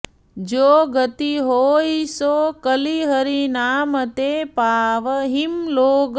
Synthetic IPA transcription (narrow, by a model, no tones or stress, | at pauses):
d͡ʒoːɡət̪iɦoːisoːkəliɦəɾinaːmət̪eːpaːʋəɦimloːɡ